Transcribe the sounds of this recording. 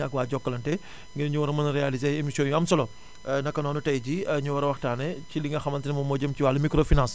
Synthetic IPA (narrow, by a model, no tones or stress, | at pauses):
ɐkwaːɟɔkːɐlɐntɛ | ŋɡiɾɲuwɐɾɐmɐnɾɛalizeemisjɔnjuɐmsɐlɔ | nɐkːɐnɔːnutɐjɟiɲuwɐɾɐwɐxtaːnɐciliŋɡɐxɐmɐntinɐmɐmɔːɟɐmciwaːlːɐmikɾoːfinãns